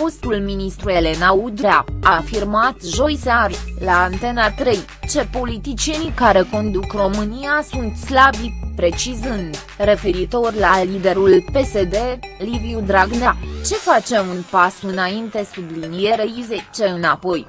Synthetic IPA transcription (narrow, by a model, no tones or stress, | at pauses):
fo̞st̪ulminist̪ɾue̞le̞naud̪ɾaafirmat̪ʒo̞jsarlaːnt̪e̞nat̪ɾe̞j | t͡ʃe̞po̞lit̪it͡ʃije̞nikaɾe̞ko̞nd̪ukro̞mɨnijasunt̪slabipɾe̞t͡ʃizɨnd̪ | re̞fe̞ɾit̪o̞rʲlalid̪e̞ɾulpe̞se̞d̪e̞liviud̪ɾaɡnat͡ʃe̞fat͡ʃe̞munpasɨnaint̪e̞sublinije̞ɾeizet͡ʃe̞ɨnapo̞j